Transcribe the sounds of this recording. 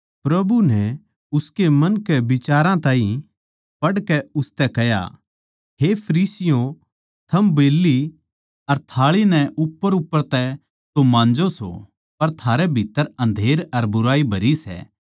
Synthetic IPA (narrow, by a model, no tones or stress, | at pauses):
pɾɐbunɛ | ʊskemɐnkɛbɪt͡ʃaːɾãt̪ãːĩ | pɐɽkɛʊst̪ɛkɛja̰ | ɦepʰɐɾiːsɪjõ | t̪ʰɐmbeːlːi | ɐɾt̪ʰaːɭinɛʔʊpːəɾʊpːəɾt̪ɛ | t̪omãːnd͡ʒoso̰ | pɐɾt̪ʰaːɾɛbʱɪt̪ːəɾɐ̃nd̪ʱeːɾɐɾbʊɾaːibʱɐɾisɛ̰ː